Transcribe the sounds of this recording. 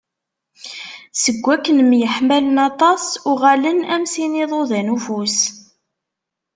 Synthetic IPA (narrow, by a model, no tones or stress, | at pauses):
səɡʷːækːənmjəħmælənɑt̪ˤɑsʊʁalənæmsinɪðˤoðænufus